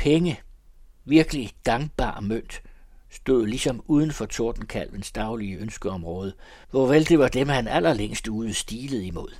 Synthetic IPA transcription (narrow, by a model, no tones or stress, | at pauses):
pʰeŋə | ʋiɐɡ̥əliɡ̥ɑ̈ŋb̥ɑ̰̈ːmøn̰d̥sd̥o̝ðˠlisɒ̽muːð̞ˠən̩fɒt͡sʰo̝ɐd̥n̩kʰæl̰ʋensd̥ɑ̈ʊliəønsɡ̥əɒ̽mʁɔ̽ːð̞ˠə | ʋɒʋeld̥e̝ʋɑ̈d̥emhænæl̰ɐleŋ̰sd̥uːð̞ˠəsd̥iːləð̞̩ˠimo̝ð̰ˠ